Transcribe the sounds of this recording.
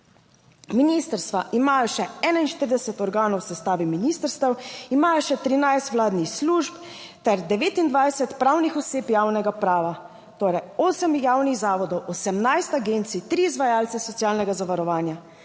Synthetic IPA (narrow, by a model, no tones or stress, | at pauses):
minist̪əɾst̪ʋaʔimaːjɔʃɛɛːnainʃt̪əɾd̪ɛsɛt̪ɔɾɡaːnɔwsɛst̪aːʋiminist̪əɾst̪ɛwimaːjɔʃɛt̪ɾinajst̪wlaːd̪nixsluːʒp | t̪ɛɾd̪ɛʋeːt̪ind̪ʋajsɛt̪pɾaːwnixɔseːpjaːwnɛɡapɾaːʋa | t̪oːɾɛjoːsɛmjaːwniɣzaːʋɔd̪ɔwɔsɛmnajst̪aɡeːnt̪sit̪ɾiːzʋajaːlt̪sɛsɔt̪sijaːlnɛɡazaʋaɾɔʋaːnja